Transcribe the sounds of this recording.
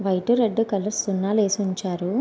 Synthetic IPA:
ʋɐjʈuɾeɖːukɐlɐɾsunːaːleːsuɲt͡ʃaːɾu

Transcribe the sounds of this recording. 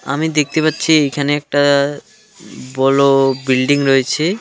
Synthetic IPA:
a̰mid̪ek̚t̪epatːɕʰiejkʰaneɛk̚ʈa | bɔlobilɖiŋɾoet͡ɕʰe

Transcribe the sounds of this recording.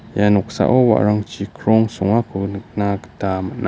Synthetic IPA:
januksa̰ʔowa̰ʔɾaŋt͡ʃikɾoŋsuŋakunək̚naktamaʔna

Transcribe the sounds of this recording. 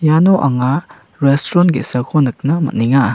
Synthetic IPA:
janoʔɐŋa | ɾestɾɔnɡḭsɐkʰonɯk̚nɐmɐ̰tniŋa

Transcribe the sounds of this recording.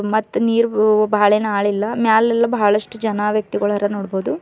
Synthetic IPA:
mɐt̪ːuniːɾubʱaːɭeːnɐaːɭilːɐmjaːlɛlːɐbɐɦɐɭɐʂʈud͡ʒɐnɐʋjɐk̚t̪iɡɐɭɦɐɾɐnoːɽboːd̪u

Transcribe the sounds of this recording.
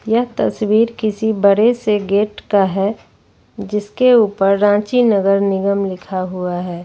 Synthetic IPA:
jɐɦt̪ɐswiːɾkɪsibɐɽeseɡeːʈkaɦɛ | d͡ʒɪskeuːpəɾːãːt͡ʃinəɡəɾnɪɡəmlɪkʰaɦuaɦɛː

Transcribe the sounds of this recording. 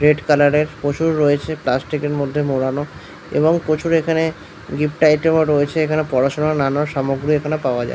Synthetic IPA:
ɾeɖkalaɾeɾpot͡ɕʰuɾːoet͡ɕʰeplasʈikeɾmod̪ʱːemoɽano | ḛboŋpot͡ɕʰuɾekʰane | ɡipʈajʈemoɾoet͡ɕʰeekʰanepɔɾaʃonaɾnanaɾʃɔmoɡɾiekʰanepaoad͡ʑa̰e

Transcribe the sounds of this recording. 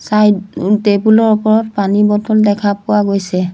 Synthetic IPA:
sajtebulɔɹupɔɹɔtpanibɔtɔldɛkʰapʊwaɡojsɛ

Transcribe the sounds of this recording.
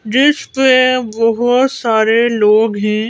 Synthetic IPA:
d͡ʒɪspebɔɦʊt̪saːɾeloːɡɦɛ̃ː

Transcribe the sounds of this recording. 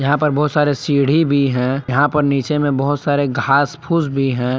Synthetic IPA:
jɐɦãpɐɾbɔɦʊt̪saːɾesiːɽ̤ibʱiɦɛ̃jɐɦãpɐɾniːt͡ʃemẽbɔɦʊt̪saːɾeɡʱaːspʰuːsbʱiɦɛ̃ː

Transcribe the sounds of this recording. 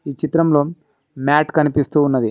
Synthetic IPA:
iːt͡ʃit̪ɾɐmlo̞ː | maːʈkɐnipist̪uːunːɐd̪i

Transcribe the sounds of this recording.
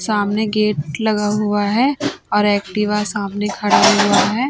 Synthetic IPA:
saːmneɡeːʈ̚lɐɡaɦʊaɦɛɔːɾɛːk̚ʈɪʋasaːmnekʰɐɽaːɦuaɦɛː

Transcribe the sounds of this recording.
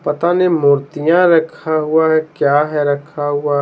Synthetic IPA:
pɐt̪anemʊːɾt̪ijãɾɐkʰaɦʊaɦɛkjaːɦɛɾɐkʰaɦʊa

